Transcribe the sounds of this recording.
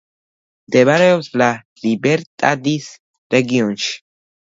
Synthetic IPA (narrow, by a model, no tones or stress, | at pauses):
d̪eβaɾeosla | libeɾt̪ʼad̪is | ɾeɡionʃ